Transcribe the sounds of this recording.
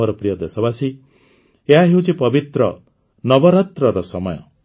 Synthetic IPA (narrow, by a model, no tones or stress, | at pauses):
ɔɾɔpɾijɔd̪esɔbasi | eɦaɦewt͡ʃʰipɔbit̪ɾɔ | nɔbɔɾɔt̪ɾɔɾɔsɔmɔjɔ̰